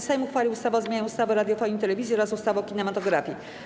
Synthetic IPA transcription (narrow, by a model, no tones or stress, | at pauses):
sajmuxfalʲiwust̪avazmʲjaɲɛust̪avɛɾad̪jɔfɔɲʲit̪ɛlɛvʲizʲjiɔɾasust̪avɔ̃wkʲinɛmat̪ɔɡɾafʲji